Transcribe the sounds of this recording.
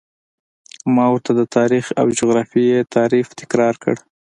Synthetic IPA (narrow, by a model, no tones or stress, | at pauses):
mɑwəɾt̪ad̪ət̪ʰɑɾixa̰wd͡ʒʊɣɾɑfijet̪ʰɑɾift̪ɪ̥kɾɑɾkə̰ɽ